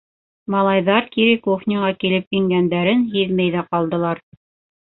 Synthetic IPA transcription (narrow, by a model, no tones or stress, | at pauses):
mɑlˠɑjðɑɾkiɾikoχnʲiʁɑkilɘpjiŋɡænd̪æɾɘnɦiðmæjðæqɑlˠd̪ɤ̆lˠɑɾ